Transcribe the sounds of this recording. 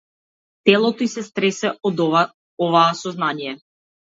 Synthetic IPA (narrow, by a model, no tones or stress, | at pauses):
t̪ɛlˠɔt̪ɔisɛst̪ɾɛsɛɔd̪ | ɔvaːsɔznanijɛ